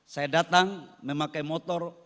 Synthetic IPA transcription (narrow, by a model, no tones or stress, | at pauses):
sajadat̪aŋməmakajmɔt̪ɔr